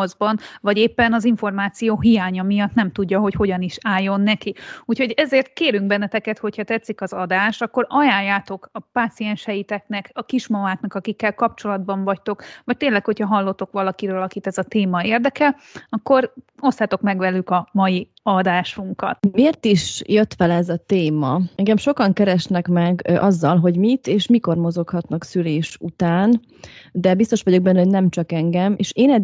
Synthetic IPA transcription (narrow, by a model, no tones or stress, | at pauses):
zbɒnvɒɟeːpːɛnɒziɱfo̞rmaːt̪sijoːɦijaːɲɒmijɒt̪nɛmt̪uɟːɒɦo̞cho̞ɟɒniʃaːjːo̞nːɛkiuːcho̞ɟɛzeːrt̪̚keːɾyŋɡ̚bɛnːɛt̪ɛkɛt̪ho̞cʰhɒt̪ɛt̪sːikɒzɒd̪aːʃt̪ɒkːo̞ɾɒjaːjːaːt̪o̞kɒpaːt̪sijɛnʃɛjit̪ɛknɛkɒkiʃmɒvaːknɒkɒkikːɛlkɒp̚t͡ʃo̞lɒd̪bɒɱvɒct̪o̞kʋɒc̚t̪eːnlɛkho̞chɒɦɒlːo̞t̪ːo̞kʋɒlɒkiɾøːlɒkit̪ɛzɒt̪eːmɒeːrd̪ɛkɛ | ɒkːo̞ɾo̞st̪ːat̪o̞kmɛɡʋɛlykɒmɒji | ɒd̪aːʃuŋkɒ̰t̪meːrt̪iʃjøt̪fɛlɛzɒt̪eːmɒɛŋɡɛmʃo̞kɒŋkɛɾɛʃnɛkmɛɡɒzːɒlɦo̞ɟmit̪eːʃmiko̞rmo̞zo̞khɒt̪nɒksyleːʃut̪aːn | d̪ɛbist̪o̞ʃʋɒɟo̞ɡ̚bɛnːɛɦo̞ɟnɛmt͡ʃɒkɛŋɡɛmḛːʃeːnɛd̪